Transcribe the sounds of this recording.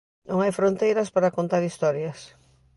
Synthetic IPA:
nõŋajfɾõnt̪ejɾɐspaɾakont̪aɾist̪ɔɾjɐs

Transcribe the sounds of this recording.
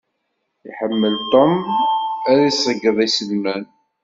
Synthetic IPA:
iħəmːəlt̪ˤom | æðisəɡːəðˤisəlmæn

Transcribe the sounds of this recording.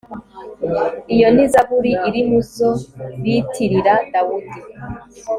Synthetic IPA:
ijo̞n̥izaβuɾiiɾimusoβitʰiɾiɾadawudi

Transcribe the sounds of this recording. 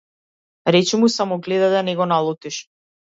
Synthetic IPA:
ɾɛt͡ʃɛmusamɔɡlɛd̪ad̪anɛɡɔnalˠɔt̪iʃ

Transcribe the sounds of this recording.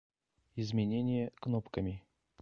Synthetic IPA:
ɪzmʲɪnʲenʲɪjəknopkəmʲɪ

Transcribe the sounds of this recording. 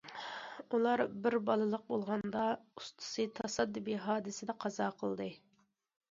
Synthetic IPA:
ulˠɑɾbɪɾbɑlˠɨlˠəq̚bolˠʁɑnd̪ɑust̪ʰɨ̥sɨt̪ʰɑsɑd̪ːɨbiɦɑːd̪ɨsɪd̪ɛqʰɑzɑːqʰəlˠd̪ɨ

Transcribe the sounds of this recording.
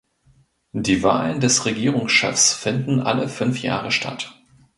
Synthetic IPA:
d̥iːva̰ːləndɛsʁeɡiːʁʊŋsʃɛ̰fsfɪndn̩ʔa̰ləfʏnfja̰ːʁəʃtʰa̰t

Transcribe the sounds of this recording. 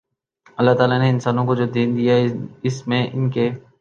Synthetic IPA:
ɐlːaɦt̪aːlaneɪnsaːnõkod͡ʒoːd̪iːnd̪ijaɦɛɪsmẽʔɪ̰nke

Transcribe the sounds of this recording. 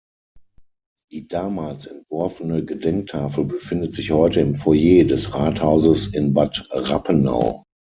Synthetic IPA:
d̥iːdaːmaːlsɛntv̥ɔɐfənəɡədɛŋk̚tʰaːfəl̩bəfɪndətz̥ɪçhɔʏtəɪmfɔjeːdɛsʁaːthaʊzəsɪnbatʁa̰pʰəna̰ʊ

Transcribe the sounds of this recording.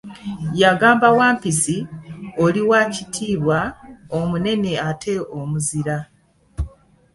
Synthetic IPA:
jaɡaːmbawaːmpisioliwaːcitʰiːβwaomune̞ne̞atʰe̞omuziɾa

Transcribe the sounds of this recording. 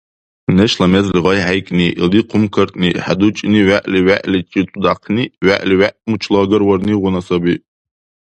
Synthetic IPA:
neʃlamezlʁajħajkʼniliqʰʊmkʰərtʼniħadut͡ʃʼniʕaʔʼliɥʷaʔlit͡ʃʼit͡sʷʼud̪aqʰniɥa̰ʔliwaʔʼmut͡ʃʰlaɡɨrwarniʁʷʊnasabi

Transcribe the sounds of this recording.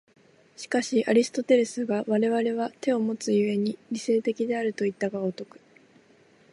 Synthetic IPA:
ɕi̥kaɕiʔaɾʲisɨ̥t̪o̞t̪e̞ɾesɨɡaβaɾe̞β̞aɾe̞β̞at̪e̞o̞mo̞t͡sɨjɯ̟e̞ɲ̟iɾʲise̞ːt̪e̞kʲid̪e̞aɾɯ̟t̪o̞it̪ːaɡaot̪o̞kɯ̟̥

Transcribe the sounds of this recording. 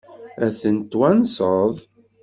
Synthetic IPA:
æθənt̪ːwænsəðˤ

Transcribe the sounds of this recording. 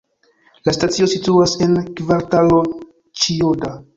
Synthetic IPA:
lastat͡sio̞situase̞nkvaɾtalo̞ | t͡ʃioda

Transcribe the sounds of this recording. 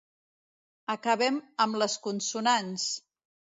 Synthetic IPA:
əkəβɛməmləskunsunans

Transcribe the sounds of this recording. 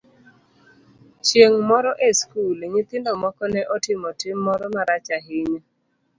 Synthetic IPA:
t͡ʃjeŋmɔɾɔʔeskulɲɪt̪ɪndɔmɔkɔnɛʔɔtɪmɔtɪmːɔɾɔmaɾat͡ʃaɦɪɲ

